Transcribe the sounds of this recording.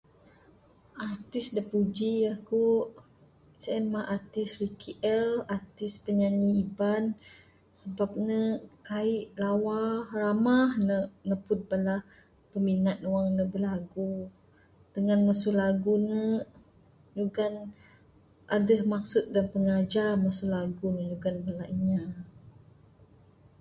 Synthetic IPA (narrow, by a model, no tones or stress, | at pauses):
ʔart̪ɪsdəpud͡ʒijahkuʔ | səɛnmaʔart̪ɪsrikiʔɛlart̪ɪspəɲaɲiiban | səbap̚nəkaiʔlawahramahnənəpʊt̪̚balah | pəminat̪̚nuwaŋnəbəlaɡu | d̥əŋanmasulaɡunə | ɲuɡan | ʔadəhmak̚sʊt̪̚danpəŋad͡ʒarmasulaɡunəɲuɡanbalaiɲa